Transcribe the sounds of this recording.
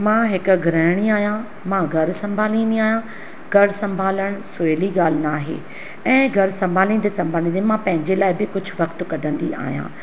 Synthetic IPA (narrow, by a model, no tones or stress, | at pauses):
mãːɦɪkʊ̆ɡʱɾəːɪɽ̃iaːɦjã | mãɡʱɐɾsɐ̃mbʱaːlĩːn̆d̪iaːɦijã | ɡʱɐɾsɐ̃mbʱaːləɽ̃sʊeliɡaːl̤ɪnaːɦḛː | ɛ̃ːɡʱɐɾsɐ̃mbʱaːlĩːnd̪esɐ̃mbʱaːlĩːnd̪imãpɐ̃ɦɪ̃ɲd͡ʑelaːɪbɪkʊd͡ʑʱʊ̆ʋɐkt̪kɐɖʱə̃nd̪ia̰ːɦijã̰ː